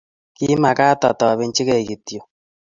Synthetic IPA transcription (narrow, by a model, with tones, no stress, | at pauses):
ki˦ma˨ka˦tɔ̰˨tɔ˨βe˦ɲ˦t͡ʃi˦kɛ˨ki˨tjo˨